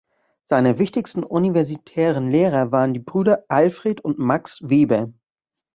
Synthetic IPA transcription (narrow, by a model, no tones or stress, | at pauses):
z̥aɪnəvɪçtɪçstn̩ʔunivɛɐzitʰɛːʁənleːʁ̞ɐvaːʁəndiːbʁyːdɐʔalfʁ̥eːtʊntmaksveːbə